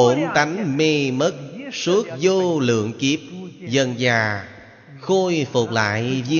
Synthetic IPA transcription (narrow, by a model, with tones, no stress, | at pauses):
o˧˩mt̪a˨˦jŋ̟me˧mə˦˥t̚su˦˥ək̚zo˧lɨ̰˧˨əŋki˦˥əp̚zə˨˩nzaː˨˩ | xo˧jfu˨˩k͡p̚la̰ː˧˨jvi˧